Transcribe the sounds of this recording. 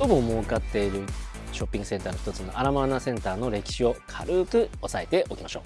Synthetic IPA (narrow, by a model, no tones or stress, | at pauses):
omomokat̪ːe̞iɾɯ̟ | ɕo̞pʲːĩŋɡɯ̟sẽ̞nt̪aːnoçi̥t̪o̞t͡sɨno̞̰ʔaɾamanasẽ̞nt̪aːno̞ɾe̞kʲi̥ɕio̞kʰa̰ɾɯ̟ːkɯ̟osae̞t̪e̞ʔo̞kʲimaɕo̞̰ː